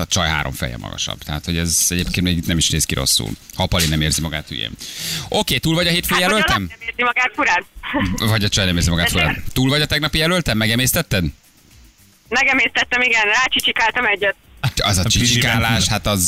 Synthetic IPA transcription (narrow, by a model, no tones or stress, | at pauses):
ɒt͡ʃɒjɦa̰ːɾoɱfɛ̰jɛ̰mːɒ̰ɡɒ̰ʃɒ̰b̥t̪ɛɦat̪ho̞ɟɛzɛɟeːp̚kenmɛt̪nɛmiʃneːskiɾo̞̰sːṵlhɒpɒlinɛmeːrzimɒɡa̰ːt̪y̰jḛːmʔo̞keːt̪uːlvɒɟɒɦeːt̪føjjɛlølt̪ɛmɛeːrzimɒɡaːt̪fuɾaːnvɒɟɒt͡ʃɒjnɛmeːrzimɒɡaːt̪fuɾa̰ːnt̪uːlvɒɟɒt̪ɛɡnɒpijɛlølt̪ɛmːɛɡɛmeːst̪ɛt̪ːɛd̪ | mɛɡɛmeːst̪ɛt̪ːɛmiɡɛnraːt͡ʃit͡ʃikaːlt̪ɒmɛɟːɛt̪̚ɛzɒt͡ʃit͡ʃikaːlaːʃhat̪ɒz